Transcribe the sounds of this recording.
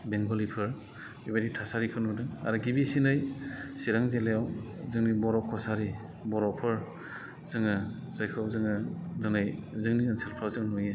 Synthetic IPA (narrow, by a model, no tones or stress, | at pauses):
beŋɡɔlipʰɯɾ | ibaɾitʰasaɾikʰɯnudɯŋa̰ɾuɡibisinɯjsiɾaŋzelejawzɯŋnibɔɾɔkʰɔsaɾi | bɔɾɔpʰɯɾ | z̥ɯŋɯ | z̥ajkʰawzɯŋɯdɯnɯjzɯŋniɯnselpʰawzɯŋnujɯ